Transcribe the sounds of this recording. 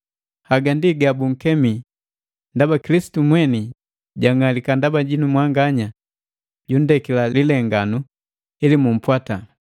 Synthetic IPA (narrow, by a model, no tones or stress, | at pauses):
haɡandiɡabuŋ̩kɛmi | ndabakilisi̥tumwɛni | ɟaŋalikandabaɟinumwaŋɡaɲa | ɟun̩dɛkilalilɛŋɡanu | ilimum̩pwata